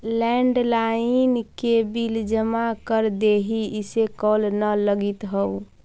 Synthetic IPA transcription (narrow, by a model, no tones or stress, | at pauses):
lɛɳɖlainkebild͡ʒəmakəɾd̪eɦiisekɔlnələɡit̪ɦəu